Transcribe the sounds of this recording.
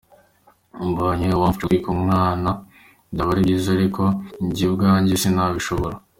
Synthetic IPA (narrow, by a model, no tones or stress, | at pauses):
mboːɲewafituikumŋaːna | ndaβaɾiɟizaɾiko̞ɲɟibɡaːɲɟisinaβiʃo̞βo̞ɾa